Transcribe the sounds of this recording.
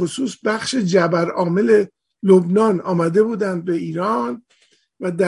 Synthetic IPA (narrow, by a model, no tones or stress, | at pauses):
osuːsbæχʃed͡ʒæbæɾɒːme̞le̞ | lobnɒːnɒːmæd̪e̞buːd̪ænd̪̚be̞iːɾɒːn | væd̪æ